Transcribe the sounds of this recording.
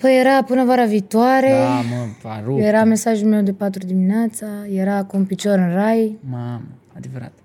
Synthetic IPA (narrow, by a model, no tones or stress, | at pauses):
pəjeɾapɨnəvaɾaviːt̪uwaɾema̰ɾjeɾame̞saʒulme̞wd̪epat̪ɾud̪imineat̪səjeɾaːkumpit͡ʃoɾɨnrajmamə | ad̪evəɾa̰t̪